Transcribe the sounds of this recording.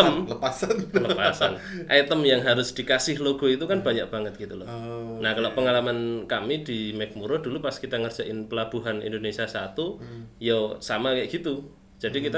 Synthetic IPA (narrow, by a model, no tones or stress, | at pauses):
əmləasanləpasan | ʔɛt̪əmjaŋɦaɾʊsd̥i̤kasɪhloɡ̥ɔ̤it̪ukanb̥aɲak̚b̥aŋət̪̚ɡ̥it̪ulɔnahkaloʔpəŋalamankamid̥imɛk̚muɾod̥ulupaskit̪aŋər̥d͡ʒ̥aʔɪnpəlab̥uɦanḭndonesiasat̪ujosamakaʔɡ̥it̪u | d͡ʒ̥adikit̪a